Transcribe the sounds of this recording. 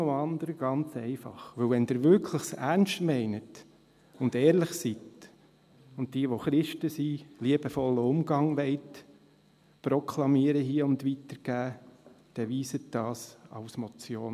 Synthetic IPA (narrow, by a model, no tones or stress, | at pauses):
oɑnd̪əɾəɡ̥ɑnt͡sɛɪfɑ̰χʋɵwʋɛnd̪ɪːɾʋʏɾkʰləχsæɾnʃtmɛɪnət | ʊndeːɾlɪχsit | ʊntd̥iːʋoχɾɪʃtəsiliəbəfɔlːəʊmɡɑŋʋɛɪt | pɾɔkʰlɑmiəɾəɦiəʊnd̪ʋitəɾɡ̥æː | d̥ɛʋiːsət̚d̥ɑːsɑ̰ʊsmɔt͡sjoːn